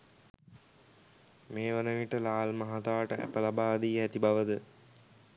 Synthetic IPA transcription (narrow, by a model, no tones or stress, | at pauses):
meːʋənəʋiʈəlaːlmaɦat̪aːʈəʔæ̰pəlabaːd̪iːɦæt̪ibaʋəd̪ə